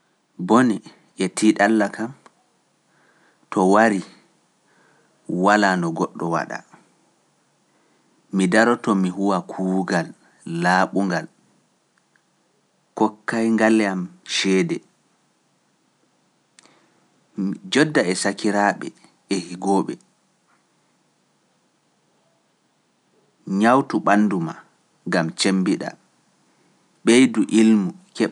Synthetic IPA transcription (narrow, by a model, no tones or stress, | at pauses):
boni | ʔɛtʰiːɗalːakam | tɔwaɾi | walanɔɡɔɗːɔwa̰ɗa̰ | midaɾɔtɔmiɦuwakʰuːɡalː | aːɓuŋɡal | kɔkːajŋɡalːɛamʃɛːdɛ | md͡ʒɔdːaɛsakiɾaːɓɛ̰ | ɛhiɡɔːɓɛ̰ | ɲawtuɓanːduma | ŋɡamt͡ʃembiɗa̰ | ɓejduʔilmukɛ